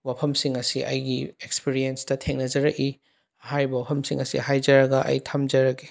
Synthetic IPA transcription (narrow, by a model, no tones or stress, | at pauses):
wapʰɐmsiŋɐsiʔɐ̰jɡiekspiɾienstɐtʰeŋnɐd͡ʒɐɾɐki | ɐɦaɾibɐwapʰɐmsiŋɐsḭhajd͡ʒɐɾɐɡɐʔɐ̰jtʰamd͡ʒɐɾɐki